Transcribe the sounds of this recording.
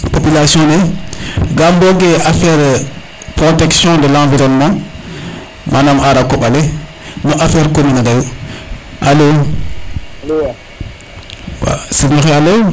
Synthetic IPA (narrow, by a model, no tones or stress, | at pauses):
popylasjɔ̃nɛ | ɡambɔɡeafɛɾ | pɾotɛksjɔ̃dəlãviɾɔnmã | manamaɾakɔɓale | nɔʔafɛɾkominadaju | ʔalo | lo | wa̰siɲɔxɛalo